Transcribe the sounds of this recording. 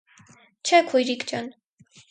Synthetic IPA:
t͡ʃʰɛkʰujɾikt͡ʃan

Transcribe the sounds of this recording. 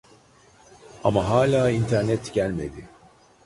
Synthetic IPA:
amaɦaːlʲaːint̪ʰæɾnɛt̪ɟælʲme̞d̪ɪ

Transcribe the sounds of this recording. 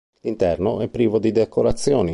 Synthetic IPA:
lint̪ɛrnoɛpːɾiːvod̪id̪ekoɾat̪sːjoːni

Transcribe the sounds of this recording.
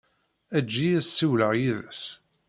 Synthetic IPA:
æd͡ʒːijæsːiwləʁjiðəs

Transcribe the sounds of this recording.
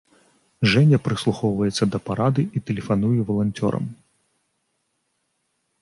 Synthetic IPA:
ʐɛnʲɐpɾɨslˠuxɔwvɐjɛt̪sʲːɐd̪ɐpaɾad̪ɨit̪ɛlʲɪfɐnujɛvɐlˠɐnʲtʲɔ̰ɾɐ̰m

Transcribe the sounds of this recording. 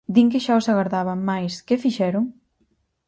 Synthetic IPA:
d̪iŋkɪʃaosaɣaɾðaβamajskɪfiʃɛɾʊŋ

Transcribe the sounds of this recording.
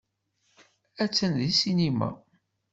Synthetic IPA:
æt͡sːənðisinimæ̰

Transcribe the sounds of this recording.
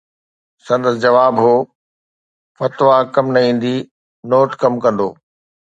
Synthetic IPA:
sɐ̃nd̪əsd͡ʑɐʋaːbɦoː | fɐt̪ʋakɐmnɐĩːn̆d̪i | noːʈkɐmkɐ̃nd̪oː

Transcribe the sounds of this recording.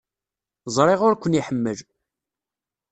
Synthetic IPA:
zˤɾˤeʁʊɾkʷːəniħəmːəl

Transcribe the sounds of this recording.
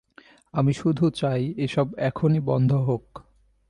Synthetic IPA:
amiʃud̪ʱut͡ɕajeʃɔbɛkʰonibɔnd̪ʱoɦok

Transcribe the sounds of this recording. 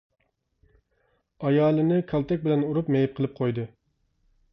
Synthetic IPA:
ɑjɑːlˠɨnɨkʲʰɑlˠt̪ʰɛk̚ʲbɪlɛnuɾupmɛjɛp̚qʰəlˠɨp̚qʰojd̪ɨ

